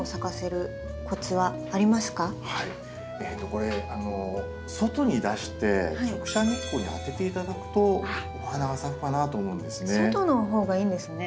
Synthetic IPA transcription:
osakase̞ɾɯ̟ | kʰo̞t͡sɨβaːɾʲimasɨ̥kahai | eːt̪ːo̞ko̞ɾe̞ano̞ | so̞t̪o̞ɲ̟id̪aɕi̥t̪e̞̰hakokɯ̟̥ɕanikːoɲ̟ia̰t̪e̞t̪e̞it̪ad̪akɯ̟̥t̪o̞ohanaɡasakɯ̟̥kanat̪o̞ːmo̞ɯ̃nd̪e̞sɨnseot̪o̞no̞ɦo̞ːɡaĩːnd̪e̞sɨne

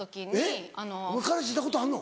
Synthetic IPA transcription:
okʲieanomɯkaɾasɕ̬it̪ːako̞t̪oaɾɯno

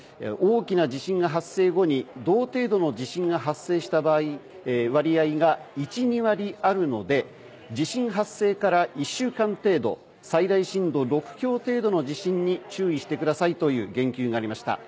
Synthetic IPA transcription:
oːkʲinad͡ʑiɕĩŋɡaɦasːe̞ːɡo̞ɲ̟id̪o̞ːt̪e̞ːd̪o̞no̞d͡ʑiɕĩŋɡaɦasːe̞ːɕi̥t̪abaːi | βaɾʲiaiɡait͡ɕiɲ̟iβaɾʲiaɾɯ̟no̞d̪e̞ | d͡ʑiɕĩɰ̃ɦasːe̞ːkaɾaʔiɕːɨːkãnt̪e̞ːd̪o̞̰ | said̪aiɕĩnd̪o̞ɾo̞kɯ̟̥kʲo̞ːt̪e̞ːd̪o̞no̞d͡ʑiɕĩɲ̟ːit͡ɕɨːiɕi̥t̪e̞kɯd̪asait̪o̞jɯ̟̰ːɡẽ̞ŋkʲɨːŋaaɾimaɕi̥t̪a̰

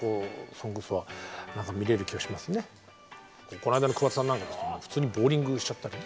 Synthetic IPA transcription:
ko̞ːsonokosoβanãŋkamʲiɾe̞ɾɯ̟kʲiɡaɕimasɨne̞ | koːko̞naid̪ankɯ̟βat͡sɨ̥sãnːãŋkad̪esɨ̥nemoɸɯ̥t͡sɨːɲ̟ibo̞ːɾʲĩŋɡɯ̟ɕi̥t͡ɕat̪ːaɾʲi

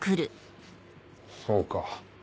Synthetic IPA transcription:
kɯɾɯ | soːka

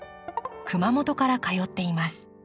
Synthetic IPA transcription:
kɯ̟mamo̞t̪o̞kaɾakajo̞t̪ːe̞imasɨ̥

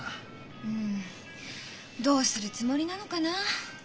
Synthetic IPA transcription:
ɯ̟̃ɴ | d̪o̞ːsɨɾɯ̟t͡sɨmo̞ɾʲinano̞kana

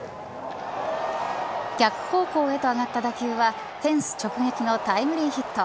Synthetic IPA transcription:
ɡʲakɯ̟̥ho̞ːko̞ːe̞t̪o̞aɡat̪ːad̪akʲɯːβa | t̪ẽ̞ɰ̃sɨ̥t͡ɕo̞kɯ̟ɡakʲino̞t̪aimɯ̟ɾʲiːçit̪ːo

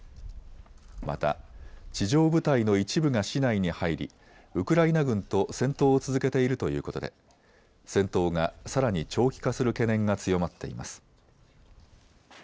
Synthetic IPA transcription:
ma̰t̪a̰t͡ɕiʑo̞ːbɯ̟t̪aino̞it͡ɕibɯ̟ɡaɕinaiɲ̟ihaiɾʲḭ | ɯ̟kɯ̟ɾainaɡɯ̟̃nt̪o̞sẽ̞nt̪o̞ːt͡sɨzɨke̞t̪e̞iɾɯ̟t̪o̞jɯ̟ːko̞t̪o̞d̪e̞̰ | sẽ̞nt̪o̞ːɡasaɾaɲ̟it͡ɕo̞ːkʲi̥kasɨɾɯ̟ke̞nẽ̞ŋɡat͡sɨjo̞mat̪ːe̞̰ḭma̰sɨ̥

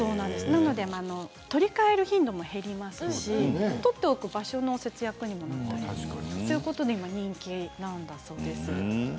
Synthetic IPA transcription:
so̞ːnãnd̪e̞sɨnano̞d̪e̞maːno̞ | t̪o̞ɾʲikae̞ɾɯ̟çĩnd̪o̞mo̞he̞ɾʲimasɨɕit̪o̞t̪ːe̞okɯ̟baɕo̞no̞se̞t͡sɨjakɯ̟ɲ̟imo̞nat̪ːat̪ejɯ̟ko̞t̪o̞d̪e̞imaɲ̟ĩŋkʲinãnd̪aso̞ːd̪e̞sɨ

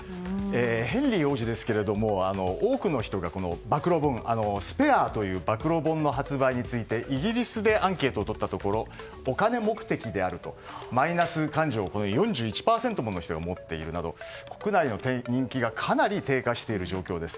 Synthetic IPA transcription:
eːhẽ̞nʲɾʲiho̞ːʑid̪e̞sɨ̥ke̞ɾe̞d̪o̞mo̞ano̞oːkɯ̟no̞çi̥t̪o̞ɡako̞no̞̰bakɯ̟ɾo̞bõ̞ŋano̞sɨ̥pe̞aːt̪o̞jɯ̟ːbakɯ̟ɾo̞bõ̞nːo̞ɦat͡sɨbaiɲ̟it͡sɨit̪e̞ʔiɡʲiɾʲisɨd̪e̞ʔãŋke̞ːt̪o̞ːt̪o̞t̪ːat̪o̞ko̞ɾo̞ː | kane̞mo̞kɯ̟̥t̪e̞kʲid̪e̞aɾɯ̟t̪o̞ | mainasɨkãɲ̟d͡ʑo̞ːko̞nojõ̞ɲ̟d͡ʑɨːit͡ɕi̥paːsẽ̞nt̪o̞mono̞çit̪o̞ɡamo̞t̪ːe̞̰ḭɾɯ̟nad̪o̞̰ko̞̥kɯ̟naino̞t̪ẽɲ̟ĩŋkʲiɡakʰanaɾʲit̪e̞ːkaɕi̥t̪e̞iɾɯ̟ʑo̞ːkʲo̞ːd̪e̞sɨ̥

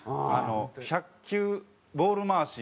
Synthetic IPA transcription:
a̰noçakʲːɨː | bo̞ːɾɯmaːsi

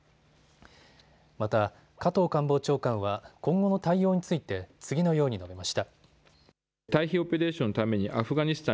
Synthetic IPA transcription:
mat̪a | kat̪o̞ːkãmbo̞ːt͡ɕo̞ːkãɰ̃β̞akõ̞ŋɡo̞no̞t̪aijo̞ːɲ̟it͡sɨit̪e̞t͡sɨɡʲino̞jo̞ːɲ̟ino̞be̞maɕi̥t̪a | t̪aiçiopʲe̞ɾe̞ːɕõnot̪ame̞ɲ̟iʔaɸɯ̟ɡaɲ̟isɨ̥t̪ã

